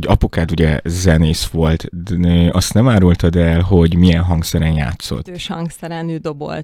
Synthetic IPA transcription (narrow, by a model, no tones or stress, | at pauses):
ɟɒpukaːd̪uɟɛzɛneːsʋo̞lt̪øʔɒst̪nɛmaːɾult̪ɒd̪ɛlɦo̞ɟmijɛnɦɒŋksɛɾɛnja̰ːt̪so̞̰t̪ːøʃhɒŋɡsɛɾɛnyːd̪obo̰lt̪